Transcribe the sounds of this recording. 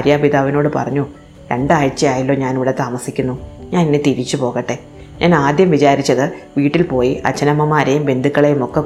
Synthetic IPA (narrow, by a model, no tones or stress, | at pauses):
ɾjaːpiðaːʋino̞ːɽɨpɐ̰rɐɲːu | ɾeɳɖaːɻt͡ɕːɐjaːjilːo̞ːɲaːniʋiɽet̪aːmɐsikʲːunːuɲaːninːet̪iɾit͡ɕːupo̞ːɣɐʈːe̞ | ɲʔaːnaːd̪jɐmʋit͡ɕaːɾit͡ɕːɐðɨʋiːʈːilpo̞ːjiʔɐ̰t͡ɕːɐnɐmːɐmːaːɾɐjumʋe̞nd̪ikːɐɭe̞jumo̞kːe